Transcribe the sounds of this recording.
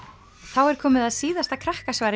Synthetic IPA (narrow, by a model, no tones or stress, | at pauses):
θawɛɾ̥kʰɔːmɪðaðsiːðast̪akʰɾahkasvaːɾ